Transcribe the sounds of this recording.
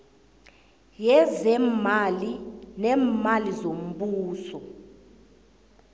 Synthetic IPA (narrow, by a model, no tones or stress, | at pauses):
jɛzɛmalinɛmalizom̩ɓuːsɔ